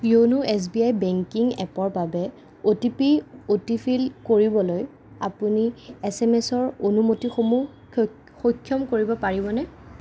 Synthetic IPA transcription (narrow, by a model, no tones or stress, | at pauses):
jonuɛs̬biajbɛŋkiŋɛ̰pɔɹbabɛ | otipiotipʰilkoɹibɔloj | a̰puniɛsɛmɛsɔɹonumotixomu | xokʰːjɔmkoɹibɔpaɹibɔnɛ